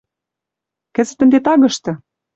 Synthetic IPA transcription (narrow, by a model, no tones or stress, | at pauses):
kɘ̆zɘ̆t̪ə̆nd̪et̪ɑɣɤ̆ʃt̪ɤ̆